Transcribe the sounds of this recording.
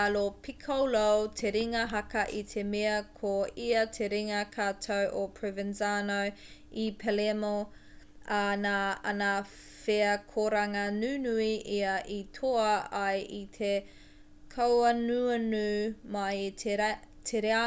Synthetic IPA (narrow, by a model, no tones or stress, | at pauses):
alopʰikʰɐwlowtʰeɾiŋɐɦɐkɐʔitʰemeɐkʰoiɐtʰeɾiŋɐkʰaːtʰowʔopʰɹevɪnzanow | ipʰelemo | anaːɐ̰nɐ | feɐkʰoɾɐŋɐnʉːnuiʔiɐʔitʰoɐɐjit̪ʰe | kʰɐwɐnuɐnʉːmɐj | tʰeɾea